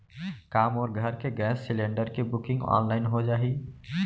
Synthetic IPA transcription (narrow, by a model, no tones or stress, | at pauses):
kaːmɔːɾɡʱəɾkeɡɛːsːɪlẽːɳɖəɾkebʊkɪ̃ŋɡɔ̰ːnlaːɪnɦod͡ʒaːɦiː